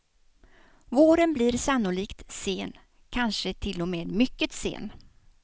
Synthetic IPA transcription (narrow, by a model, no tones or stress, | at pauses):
voːɾənbliːɾsanːʊliːkt̪seːn | kʰanʂət̪ʰɪlːɔmeːd̪mʏkːət̪sḛːn